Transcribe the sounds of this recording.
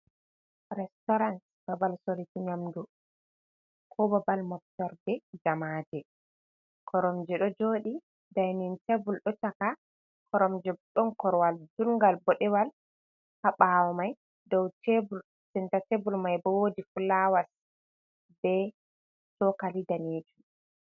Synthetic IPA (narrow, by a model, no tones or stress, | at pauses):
ɾɛstɔɾant | b̥abalsolitiɲamdu | kʰɔbabalmɔk̚tɔɾdɛd͡ʒamaːdɛ | kɔɾɔmd͡ʒɛɗɔd͡ʒoːɗi | dajnintebulɗɔtaka | kʰɔɾɔmd͡ʒɛɗɔnkɔɾwaldulŋɡalbɔɗɛwal | haɓawɔmaj | dɔwtebul | sintatebulmajbɔwodifulawas | bɛ | tɔkalidaned͡ʒu